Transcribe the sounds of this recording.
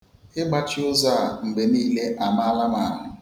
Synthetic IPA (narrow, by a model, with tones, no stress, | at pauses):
ɪ˦ɡ͡ba˦t͡ʃɪ˦ʊ˦za˦˨m̩˨be˨niː˦le˦ʔa˨ma˦a˦la˦ma˨ɦʊ˦